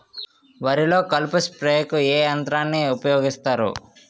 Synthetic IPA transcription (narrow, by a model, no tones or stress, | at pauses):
ʋɐɾilo̞ːkɐlpuspɾeːjɐkueːɐnt̪ɾaːnːiupɐjoːɡist̪aːɾṵ